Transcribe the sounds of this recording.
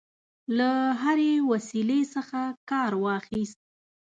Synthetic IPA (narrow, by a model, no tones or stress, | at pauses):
laɦaɾewasilesəxakɑɾwɑxist̪̚